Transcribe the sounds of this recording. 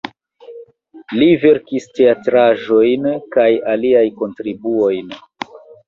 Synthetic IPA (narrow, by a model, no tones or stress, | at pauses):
live̞ɾkiste̞atɾaʒo̞jnkajaliajko̞ntɾibuo̞jn